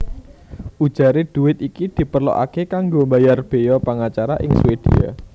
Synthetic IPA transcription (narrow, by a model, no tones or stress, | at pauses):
ʔu̥ʒ̥a̤ɾed̪̥ṳwɪt̪̚ikid̪̥i̤pərlo̰ʔa̰kekaŋɡombajarb̥e̤jɔpəŋat͡ʃaɾaʔɪŋsuwed̪̥ia̰